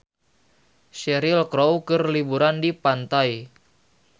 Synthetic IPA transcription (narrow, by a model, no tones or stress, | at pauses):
ʃɛɾilkɾowkɨrlibuɾandipant̪aj